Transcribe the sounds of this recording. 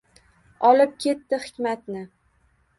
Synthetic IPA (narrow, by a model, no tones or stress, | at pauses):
ɒlɪp̚kʲʰe̞t̪ːɪhɪ̥kʲmat̪nɪ